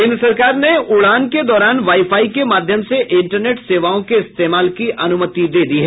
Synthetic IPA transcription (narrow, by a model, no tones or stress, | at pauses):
ɪ̃nd̪ɾəsɐɾkaːɾneʊɭaːnked̪ɔːɾaːnʋaːifaːikemaːd̪ʱjəmseʔɪ̃ɳʈəɾneːʈseːʋaːõkeɪst̪eːmaːlkiʔɐnʊmət̪id̪eːd̪iːɦɛ